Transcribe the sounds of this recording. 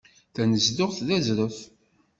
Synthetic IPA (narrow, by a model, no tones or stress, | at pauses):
θænəzd̪ʊʁθðæzɾʊθ